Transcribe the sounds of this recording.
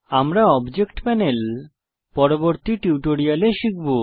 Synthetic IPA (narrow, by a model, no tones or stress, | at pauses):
amɾaɔbd͡ʑekʈpɛnel | pɔɾoboɾt̪iʈiwʈoɾialeʃik̚ʰbo